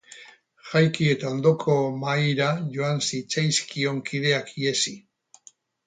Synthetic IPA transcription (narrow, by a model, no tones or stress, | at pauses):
ʝajkie̞t̪ao̞nd̪o̞kʰo̞majɾaʝo̞ansit͡sajskio̞ŋkʰið̞e̞akie̞si